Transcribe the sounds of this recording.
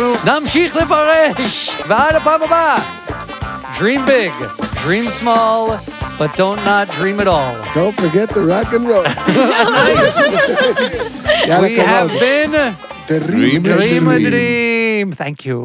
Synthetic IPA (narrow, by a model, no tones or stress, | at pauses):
namʃiχlɪfaɾɛʃvaɾəpaməba | dɹĩmbɪɡdɹĩːmsmɔlˠb̥ʌt̚d̥õʊ̃nnət̚dɹĩːmɨɾɔlˠd̥õʊ̃ntfə˞ɡɛt̪̚ðəɹɑɡɨ̃nɹo | wiævbɪ̃n | diimɹimə̃ɹimθæ̰̃ŋkʰjṵ